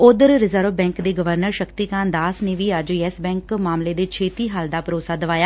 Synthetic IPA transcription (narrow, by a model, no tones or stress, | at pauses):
oːd̪əɾɾɪzəɾʋbɛ̃ːŋkd̪eːɡəʋəɾnəɾʃəkt̪iːkãːnd̪aːsneːʋiːəd͡ʒɛsbɛ̃ːŋkmaːmleːd̪eːt͡ʃʰeːt̪iːɦəld̪aːpəɾoːsaːd̪əʋaːjaː